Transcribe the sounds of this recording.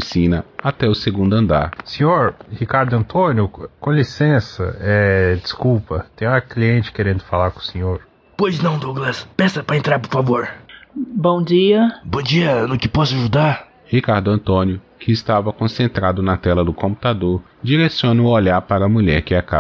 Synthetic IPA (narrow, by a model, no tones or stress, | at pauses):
fisĩnɐat̪ɛʊseɡũnd̪ʊɐ̃nd̪a̰ɾsẽɲoɾhikaɾd̪ʊɐ̃nt̪õnjʊkõlisẽsɐ̰ɛd͡ʒiskupɐt̪ẽj̃akliẽnt͡ʃɪ̥keɾẽnd̪ʊfalaɾkõsẽɲoɾ | pojznɐ̃w̃d̪oɡlɐspɛsɐpɾɐẽnt̪ɾaɾpoɾfavoɾ | bõw̃d͡ʒiɐbõd͡ʒiɐnʊkɪpɔsʊaʒud̪aɾ | hikaɾd̪ʊɐ̃nt̪õnjʊ | kʰɪːst̪avɐkõsẽnt̪ɾad̪ʊnɐt̪ɛlɐd̪ʊkõmpu̥t̪ad̪oɾ | d͡ʒiɾesiõnɐʊoʎaɾpaɾɐmuʎɛɾkɪakab